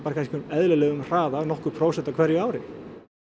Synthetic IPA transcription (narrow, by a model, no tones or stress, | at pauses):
paːɾkʰajnscʏmɛðlɛlɛːɣʏmr̥aːðanɔhkʏɾpʰɾoːwsɛht̪ːakʰvɛɾjʏaːwɾɪ